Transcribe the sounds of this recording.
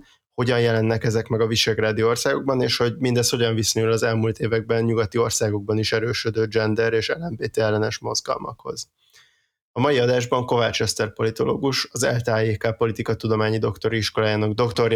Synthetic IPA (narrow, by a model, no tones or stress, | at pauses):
ho̞ɟɒnjɛlɛnːɛkɛzɛkmɛɡɒviʃɛɡraːd̪io̞rsaːɡo̞ɡ̚bɒneːʃho̞ɟmind̪ɛst̪ho̞ɟɒɱviso̞ɲulɒzɛlmuːlt̪eːvɛɡ̚bɛnɲuɡɒt̪io̞rsaːɡo̞ɡ̚bɒniʃɛɾøːʃød̪øːd͡ʒɛnd̪ɛɾeːʃɛlːɛɱveːt̪eɛlːɛnɛʃmo̞zɡɒ̰lmɒ̰kho̞̰z̥ | ɒmɒjiɒd̪aːʒbɒŋko̞vaːt͡ʃɛst̪ɛrpo̞lit̪o̞lo̰ːɡuʃɒzɛ̰lt̪aːjeːkaːpo̞lit̪ikɒt̪ud̪o̞maːɲid̪o̞kt̪o̞ɾiiʃko̞laːjaːnoɡd̪o̞kt̪o̞ɾ